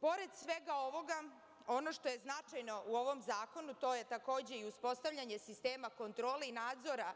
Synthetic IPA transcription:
po̞ɾe̞d̪sʋe̞ɡao̞ʋo̞ɡa | o̞no̞ʃt̪o̞je̞znat͡ʃajno̞ʔuo̞ʋo̞mzaːko̞nut̪o̞ːje̞t̪ako̞ːd͡ʑe̞iuspo̞st̪aʋʎaɲe̞sist̪eːmako̞nt̪ɾo̞ːleinaːd̪zo̞ɾa

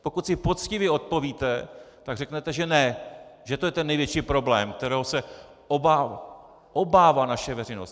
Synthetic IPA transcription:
po̞kut̪sɪpo̞t̪t͡scɪvjɪo̞t̪̚po̞viːt̪ɛ | t̪aɡrɛknɛt̪ɛʒɛnɛʒɛt̪o̞jɛt̪ɛnːɛjvjɛt͡ʃiːpɾo̞blɛ̰ːmk̚t̪ɛɾɛːɦosɛ | ʔobaː | ʔobaːvaːnaʃɛvɛɾɛjnost̪

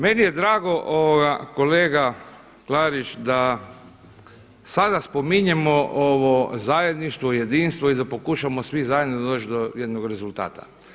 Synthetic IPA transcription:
menije̞d̪ɾaːɡo̞ʔoʋoɡako̞leːɡa | klaːɾit͡ʃd̪a | sad̪aspomiɲemoʔoʋo̞zaːje̞d̪niʃt̪ʋoje̞d̪iːnst̪ʋoid̪apo̞kuʃamosʋizaːjed̪nod̪oːt͡ʃd̪ojed̪noɡɾe̞zult̪a̰ːt̪ḁ̰

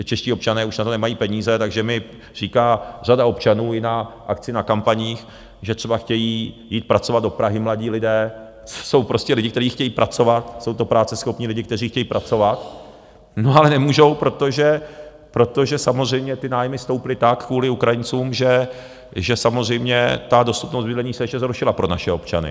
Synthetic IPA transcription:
t͡ʃɛʃciːop̚t͡ʃanɛːuʃnat̪o̞nɛmajiːpɛɲiːzɛt̪aɡʒɛmɪ | riːkaːr̝adao̞pt͡ʃanuːjɪnaʔakt͡sɪnakampaɲiːx | ʒɛt̪r̝̥ɛbaxcɛjiːjiːt̪̚pɾatt͡so̞vad̪do̞pɾaɦɪmlaɟiːlɪdɛː | so̞wpɾo̞scɛlɪɟɪk̚t̪ɛɾiːxcɛjiːpɾʔat͡so̞vat̪so̞wt̪o̞pɾaːt͡sɛsxo̞pɲiːlɪɟɪkt̪ɛr̝iːxcɛjiːpɾat͡so̞vat̪ | noalɛnɛmuːʒo̞wpɾo̞t̪o̞ʒɛ | pɾo̞t̪o̞ʒɛsamozr̝ɛjmɲɛt̪ɪnaːjmɪst̪o̞wpɪlɪt̪akkːvuːlɪukɾajɪnt͡suːmʒɛ | ʒɛsamozr̝ɛjmɲɛt̪ado̞st̪upnost̪vɪdlɛɲiːsɛʃɛzɦɾuʃɪlapɾo̞na̰ʃɛo̞pt͡ʃa̰nɪ̰

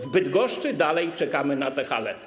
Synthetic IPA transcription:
vbɘd̪ɡɔʂt͡ʂɘd̪alɛjt͡ʂɛkamɘnat̪ɛxa̰lɛ̰

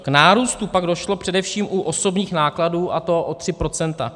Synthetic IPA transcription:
knaːɾuːst̪upaɡdo̞ʃlo̞pr̥ɛdɛfʃiːmʔuʔo̞so̞bɲiːxnaːkladuːʔat̪o̞ʔot̪r̝̥ɪpɾo̞t͡sɛnt̪a̰

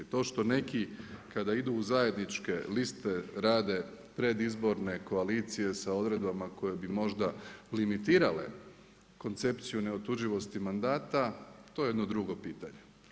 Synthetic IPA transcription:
t̪o̞ːʃt̪o̞ne̞kikad̪aid̪uuzaje̞d̪nit͡ʃke̞list̪e̞ɾaːd̪e̞ | pɾe̞d̪izbo̞ɾne̞ko̞alit̪sije̞sao̞d̪ɾe̞d̪bamako̞je̞bimo̞ʒd̪alimit̪iːɾale̞̰ | ko̞nt̪se̞pt̪sijune̞ot̪uʒiʋo̞st̪imand̪aːt̪at̪o̞jeed̪no̞d̪ɾuɡo̞piːt̪aɲe

